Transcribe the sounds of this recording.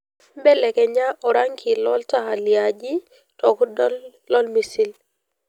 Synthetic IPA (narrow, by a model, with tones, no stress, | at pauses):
bɛ˦lɛ˨kɛ˨ɲa˦ʔɔ˨ɾa˦ŋkʰi˨lɔ˦lta˦˨a˨ljad͡ʒi˦ | tɔ˨k | lɔ˦lmi˨si˦l